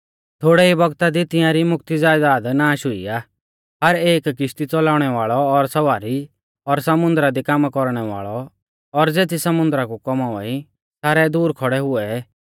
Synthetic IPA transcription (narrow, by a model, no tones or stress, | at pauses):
t̪ʰoːɽɛibɔɡt̪ad̪it̪ɪ̃jãɾimʊk̚t̪id͡zaːjd̪aːd̪naːʃʊḭaː | ɦɐɾeːkkɪʃt̪it͡sɔlaːʊɽ̃ɛʋaːɭɔːɾsɐʋaːɾi | ɔɾsɐmʊ̃nd̪ɾad̪ikaːmakɔɾɽ̃ɛʋa̰ːɭɔ | ɔɾd͡zeːt̪ʰisɐmʊ̃nd̪ɾakukɔmaʋa̰i | t̪ʰaːɾɛd̪uːɾkʰɔɽɛɦʊɛ